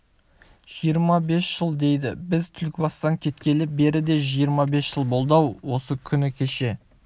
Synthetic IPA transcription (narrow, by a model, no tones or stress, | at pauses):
ʒ̥ijəɾmɑbe̞sʒ̥əlˠd̪e̞jd̪ɪ̰bɪzt̪ʰʏlkʲɪbɑst̪ɑŋkʲʰe̞t̪kʲe̞lɪp̚be̞ɾɪd̪e̞ʒijəɾmɑbe̞sʒəlˠbo̞lˠd̪ɑwwo̞səkʲʰʏnɪkʲʰe̞ʃe̞